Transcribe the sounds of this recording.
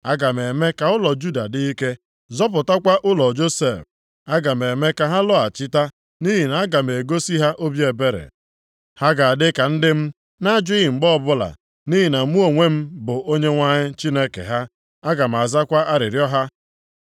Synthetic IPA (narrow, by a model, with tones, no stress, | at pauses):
a˦ɡa˨m˨e˨me˦ka˨ʊ˦lɔ˨d͡ʒu˦da˨di˦i˦ke˦ | zɔ˦p̬ʊ˨ta˦kʷa˦ʔʊ˦lɔ˨d͡ʒo˦se˦˨f | a˦ɡa˨me˨me˦ka˨ɦa˦lɔ˦a˨t͡ʃɪ˦ta˦ | ni˦ɦi˨na˨a˦ɡa˨m̩˨e˨ɡo˦si˦ɦa˦ʔo˦bje˨be˦ɾḛ˨ | ha˦ɡa˨a˨dɪ˦ka˨n̩˦dɪ˦m̩˦ | na˦d͡ʒʊ˦i˦ɦi˨ŋ͡m̩˨ɡ͡bɔ˦ɔ˦˨bʊ˦la̰˨ | ni˦ɦi˨na˨˦u˦o˨ŋʷe˦m̩˦bʊ˨ʔo˦ɲe˦ŋʷa˦ɲɪ˦t͡ʃi˦ne˦kḛ˨ɦa˦ | a˦ɡa˨m̩˨a˨za˦kʷa˦ʔa˦ɾɪ˨ɾjɔ˦ɦa˦